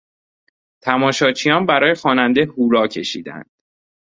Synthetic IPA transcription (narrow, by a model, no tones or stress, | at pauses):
t̪ʰæmɒːʃɒːt͡ʃʰijɒːnbæɾɒːjexɒːnænd̪e̞huːɾɒːcʰe̞ʃḭːd̪æ̰nd̪̥